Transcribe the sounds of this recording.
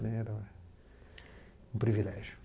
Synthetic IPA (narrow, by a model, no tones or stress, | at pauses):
nɛ̃ɛɾɐɛ | ũpɾivilɛʒju